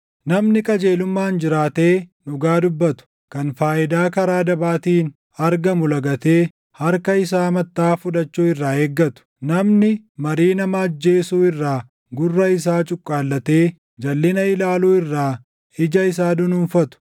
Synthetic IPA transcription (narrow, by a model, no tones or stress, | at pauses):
nɐmnɪkʼɐd͡ʒe̞ːlʊmːaːnd͡ʒɪɾaːt̪eːnʊɡaːd̪ʊbːɐt̪ʊ̥ | kɐnfaːʔɪd̪aːkɐɾaːd̪ɐbaːt̪iːn | ɐɾɡɐmʊlɐɡɐt̪e̞ː | hɐɾkɐɪs̬aːmɐt̪ːaːfʊᶑ̪ɐt͡ʃːuːɪrːaːeːɡːɐt̪ʊ̥nɐmnɪmɐɾiːnɐmɐːd͡ʒːe̞ːsuːɪrːaː | ɡʊrːɐɪs̬aːt͡ʃʼʊkʼːaːlːɐt̪e̞ː | d͡ʒɐlːɪnɐɪlaːluːɪrːaː | ɪd͡ʒɐɪs̬aːd̪ʊnʊnfɐt̪ʊ̥